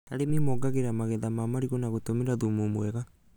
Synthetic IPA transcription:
a̰ɾemimɔɡaɣeɾamaɣɛðamamaɾiɣɔnaɣotomeɾaðumumwɛɣa

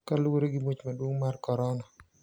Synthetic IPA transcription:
kalwoɾeɡɪmot͡ʃmadwoŋmarkɔɾɔnɔ

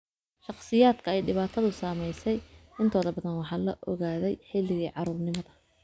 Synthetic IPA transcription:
ʃɑχsɪjaːd̪kʰɐɛjɖɪβaːt̪ʰɐðʊsaːmɛjsɛjɪnt̪ʰɔːðɐbɐðɐnwɑħɑːlɐʔɔɣaːðɛjħɪlɪɣiːʕɑɾuːrnɪmɐðɐ

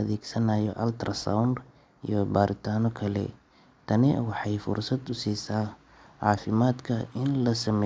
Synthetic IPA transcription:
ɐðɛːɡsɐnaːjɔʔɐlt̪ʰrɐsa̰wnd | ḭjɔbaːɾɪt̪ʰaːnɔkʰɐlɛ̰ | t̪ʰɐnɪwɑħɑjfʊ̰rsɐd̪ʊsiːsaː | ʕɑːfɪmaːd̪kʰɐɪnlɐsɐmɛ

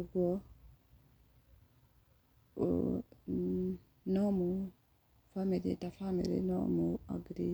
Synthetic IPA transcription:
uɡɔ | nɔmu | famiɾḭtafamḭɾḭnɔ̰mua̰ɡɾi

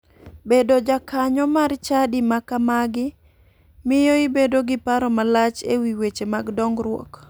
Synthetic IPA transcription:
bedod͡ʒakaɲɔmart͡ʃadimakamaɡɪ | mɪjoɪbedoɡɪpaɾɔmalat͡ʃewiwet͡ʃemaɡdɔŋɡɾwɔ̰k

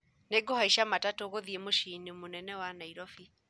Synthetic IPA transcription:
neɡohaiʃamatatoɣoðiemoʃinemonɛnɛwanaiɾɔfi

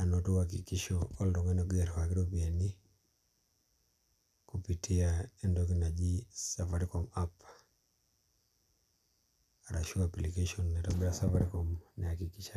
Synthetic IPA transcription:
anɔtɔhakikiʃɔɔldɔŋɛnɔɡɛɾhakiɾɔpiani | kupitʰiaɛndɔk̬inad͡ʒisafaɾikɔmap | aɾaʃuaplikaʃɔnːɛtɔmbɛasafaɾikɔmnahakikiʃa

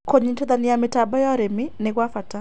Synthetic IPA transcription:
koɲintɔd̪anɪamɪtabɔjɔɾemɪnekwafata

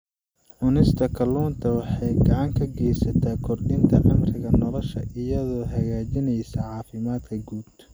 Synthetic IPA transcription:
ʔʊnɪst̪ʰɐkʰɐluːnt̪ʰɐwɑħɑjɡɑʕɑŋkʰɐɡɛjsɐt̪ʰaːkʰɔrdɪnt̪ʰɐʕɑmrɪɣɐnɔlɔʃɐʔɪjɐðɔːɦɐɣaːt͡ʃɪnɛjsɐʕɑːfɪmaːd̪kʰɐɡuːb̚t̪ʰ

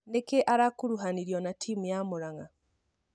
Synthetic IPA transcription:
nekeʔaɾakuɾuɦaniɾjɔnatʰiːmujamuɾaŋa

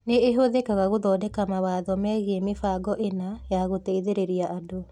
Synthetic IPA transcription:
neːɦoðekaɣaɣoðɔːdɛkamawaðɔmɛɣemefaɡɔʔenajaɣoteiðeɾeɾiaʔado

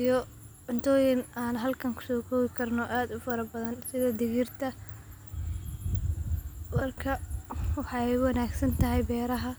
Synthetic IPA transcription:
jɔ | ʕʊnt̪ʰɔːjɪnaːnɦɐlkʰɐŋkʰʊ̥sɔːkʰɔːβɪkʰɐrnɔʔaːd̪ʊfɐɾɐbɐðɐnsɪðɐd̪ɪɣɪrt̪ʰɐ | wɐrkʰɐwɑħɑjwɑnaːɡsɐnt̪ʰɐɦɛjbɛːɾɐɦɐ

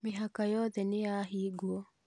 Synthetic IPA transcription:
mɪɦakajɔðɛnejaɦiɡwɔ

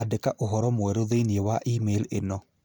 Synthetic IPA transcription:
adɛkaʔoɦɔɾɔmoɛɾoðeiniewaʔimelenɔ

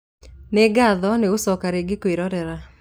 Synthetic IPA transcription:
neɡaðɔneosɔkaɾeɡɪkwiɾɔɾɛɾa

